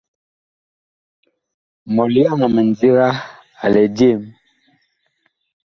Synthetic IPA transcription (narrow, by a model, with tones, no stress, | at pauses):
mɔ˨li˦a˦˨na˨mɛ˨n˨d͡zi˦ɣa˦ | a̰˨lɛ˨d͡ʒe˦˨m